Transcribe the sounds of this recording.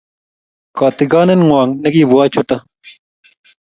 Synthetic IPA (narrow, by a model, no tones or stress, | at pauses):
kaːt̪iɡaːnenŋwaːŋnɐɡiːbuaːt͡ɕʰut̪ɐ